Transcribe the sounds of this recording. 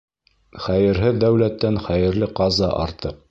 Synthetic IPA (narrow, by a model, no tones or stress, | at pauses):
χæjɘ̆ɾɦɘðːæwlæt̪ːænχæjɘ̆ɾl̪ɘqɑzɑ̰ʔɑ̰ɾt̪ɤq